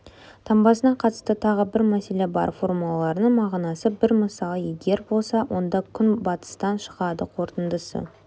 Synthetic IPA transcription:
t̪ʰɑmbɑsənɑqʰɑt̪ə̥st̪ət̪ʰɑʁəbɪɾmæse̞le̞bɑ̰ɾfo̞rmulˠɑlˠɑɾənəɴmɑʁnɑsəbɪɾməsɑlˠəje̞ɡʲe̞ɾbo̞lˠsɑwʔo̞nd̪ɑkʲʰʏnbɑt̪ə̥st̪ɑnʃə̥ʁɑd̪əqʰo̞ɾt̪ənd̪əsə̰

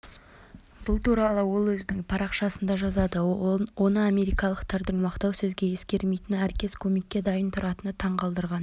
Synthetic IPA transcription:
b̥ʊlˠt̪ʰuɾɑlˠəwo̞lˠwɵzd̪ɪŋpʰɑɾɑqʃɑsənd̪ɑʒɑzɑd̪əwʔo̞nəame̞ɾijkɑlˠəqt̪ʰɑɾd̪ɪɴmɑqt̪ɑwsɵzɡʲe̞je̞skʲe̞ɾme̞jt̪ɪnæɾkʲe̞skʲʰɵme̞kʲːe̞d̪ɑjənt̪ʰʊɾʔɑt̪ənət̪ʰɑɴqɑlˠd̪əɾʁɑn

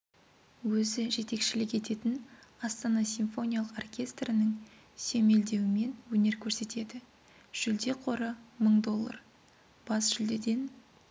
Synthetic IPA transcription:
wɵzɪʒe̞t̪e̞kʃɪlɪkʲe̞t̪e̞t̪ɪnɑst̪ɑnɑsʲinfo̞nʲijalˠəqorkʲe̞st̪rɪnəŋ | seme̞ld̪e̞wɪme̞nwɵne̞ɾkʲʰɵɾse̞t̪ʰe̞d̪ɪ | ʒ̥ʏld̪e̞qʰo̞ɾəməɴd̪o̞lˠːɑ̰r | b̥ɑsʒ̥ʏld̪e̞d̪e̞n

